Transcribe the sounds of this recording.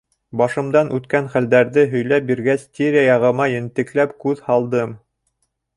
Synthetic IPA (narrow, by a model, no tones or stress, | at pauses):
bɑʃɤ̆md̪ɑnʔʉt̪kænχæld̪æɾðɘɦɵ̆jlæp̚biɾɡæst̪ʲeɾʲɪajɑʁɤ̆mɑjɘ̆nt̪ɘ̆klæpkʉðhɑlˠd̪ɤm